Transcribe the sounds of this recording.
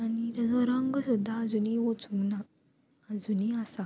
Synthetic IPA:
anit̪jad͡zɔɾəŋɡsud̪ʱːaːd͡zuniʋot͡suɡna | ad͡zuniasa

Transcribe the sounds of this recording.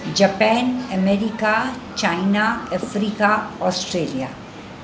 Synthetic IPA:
d͡ʒɐpɛ̃ːnɐmeːɾikat͡ʃaːɪnaɐfɾiːkaɔːsʈɾeːlijaː

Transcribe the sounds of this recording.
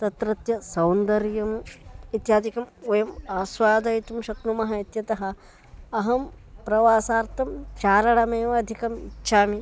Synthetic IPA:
t̪ɐt̪ɾɐt̪jɐsɐwnd̪ɐɾjɐmit̪jaːd̪ikɐmojɐmaːswaːd̪ɐjt̪umʃɐknumɐɦɐit̪jɐt̪ɐɦɐ̆ | ɐɦɐmpɾɐʋaːsaːɾt̪ʰɐmt͡ʃaːɾɐɽɐmeːʋɐːd̪ʱikɐmḭtːʃʰaːmi

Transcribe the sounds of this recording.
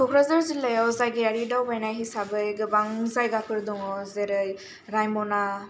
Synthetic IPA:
kʰɔkʰɾazaɾzilajawzajɡejaɾidawbajnajɦisabɯjɡɯbaŋzajɡakʰɯɾdɔŋɔzeɾɯj | ɾajmɔna

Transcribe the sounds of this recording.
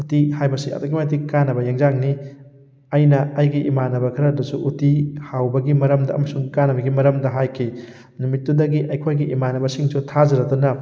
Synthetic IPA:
utihajbɐsiɐ̰tokimat̬ikanɐbɐjaŋzaŋni | ɐjnɐɐjɡiʔimanɐbɐkʰɐɾɐdɐsuʔutihawbɐɡimɐɾɐmdɐɐ̰mɐsuŋkanɐbɐɡimɐɾɐmdɐɦajkʰi | numit̚ːudɐɡiʔɐjkʰojɡiʔimanɐbɐsiŋsutʰazɐɾɐtunɐ

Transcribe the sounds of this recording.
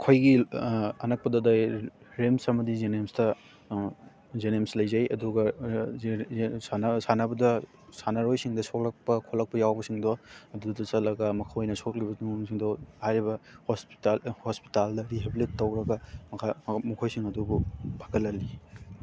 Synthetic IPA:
kʰojɡiɐnɐk̚pɐdɐdaj | ɾemsɐmɐdizenemstɐ | zenemslɐjzɐjɐduɡɐ | ansanɐbɐdɐ | sanɐɾojsiŋdɐsok̚lɐk̚pɐkʰolɐk̚pɐjawbɐsiŋdɔɐdudɐsɐtlɐɡɐmɐkʰawojnɐsok̚libɐnusiŋdɔhajɾibɐhospi̥thospi̥taldɐɾiɦebilitːɐwɾɐɡɐmkʰamukʰojsiŋɐdububʱʰaɡɐlːɐlːi

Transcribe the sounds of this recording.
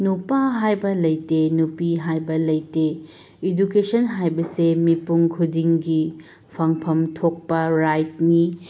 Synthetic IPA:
nupaɦajbɐlɐjtenupiɦajbɐlɐjte | idukesʰɐnɦajbɐsemipuŋkʰudiŋɡi | pʰaŋpʰɐmtʰok̚pɐɾajt̚ni

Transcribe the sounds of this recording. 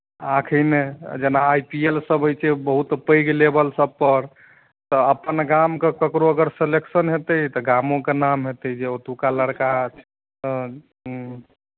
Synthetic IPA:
akʰəned͡ʒenaːjpielsəbəjt͡ʃʰɛbəɦut̪pəjɡlebəlsəb̚pəɾ | t̪ɔəpːənɡamkekəkɾoəɡəɾseleksənɦet̪ət̪ɔɡamõkenamɦet̪əd͡ʒeot̪ukaləɽkat͡ʃʰ | ɦ

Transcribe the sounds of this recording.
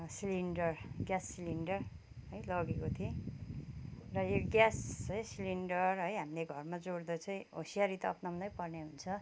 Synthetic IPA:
siliɳɖʌrɡjasːiliɳɖʌr | ɦʌjlʌɡekot̪ʰie | rʌjeɡjasʌjsiliɳɖʌrɦʌjɦamleɡʱʌrmad͡zoɽd̪ʌt͡sʰʌĩɦo̰sijaɾit̪ʌ̰pnʌmnʌjpʌrneɦunt͡sʰʌ

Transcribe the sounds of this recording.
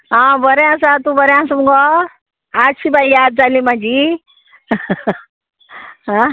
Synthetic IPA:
ɦãbəɾeãs̬at̪ũbəɾeãsumɡɔ | at͡ʃʰibaijaːd̪̚d͡zalĩmãd͡ʒi | ɦa

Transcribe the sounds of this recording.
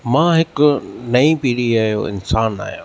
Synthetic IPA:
mãːɦɪkʊnɐĩpiːɽiaːɦijo̰ɪ̰nsaːna̰ːɦijõ̰ː

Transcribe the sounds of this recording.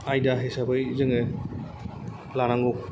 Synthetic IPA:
ajdaɦesabɯjzɯŋɯ | lanaŋɡɔk̚

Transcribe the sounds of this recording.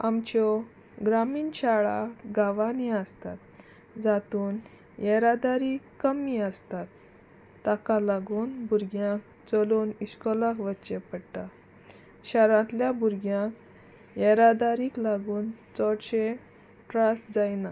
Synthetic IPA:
amt͡ɕɔ | ɡɾamiːnɕaɭaɡaʋaneəst̪at̪ | d͡zat̪uːn | jɛɾad̪aɾikkːəmiəst̪at̪ː | akalaɡuːnbʱuɾɡjãk | t͡sɔluːniɕkɔlãkʋətːɕepəɽʈa | ɕaɾãt̪ljabuɾɡjãk | jɛɾad̪aɾiːklaɡuːnt͡sɔɽɕẽ | ʈɾasd͡zajna

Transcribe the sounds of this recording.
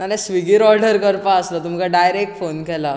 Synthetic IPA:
aɾẽsʋiɡiɾɔɾɖəɾkəɾpaəslət̪um̤kaɖajɾek̚ʈfonkɛla

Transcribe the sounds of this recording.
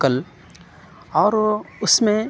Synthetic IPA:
kəl | ɔːɾʊsmẽ

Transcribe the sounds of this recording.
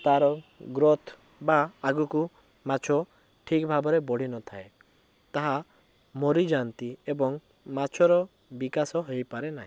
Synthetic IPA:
t̪aɾɔɡɾɔt̪ʰ | baːɡuku | mat͡ʃʰɔ | ʈʰikbʱabɔɾebɔɽ̤inɔt̪ʰae | t̪aɦa | mɔɾid͡ʒant̪iebɔŋ | mat͡ʃʰɔɾɔ | bikasɔɦejpaɾenaɦĩ

